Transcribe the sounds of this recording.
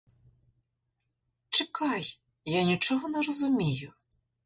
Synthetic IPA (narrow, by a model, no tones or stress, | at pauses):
t͡ʂɪkɑj | janʲit͡ʃɔɦɔnɛɾɔzʊmʲijʊ